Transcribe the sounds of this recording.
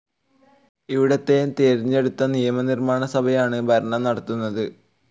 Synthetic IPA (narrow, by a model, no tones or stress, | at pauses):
iʋiɽɐt̪ːeːnt̪eːɾiɲːe̞ɽut̪ːɐnijɐmɐnirmaːɳɐsɐbʱɐjaːɳɨbʱɐɾɐɳɐmnɐɽɐt̪ːunːɐðɨ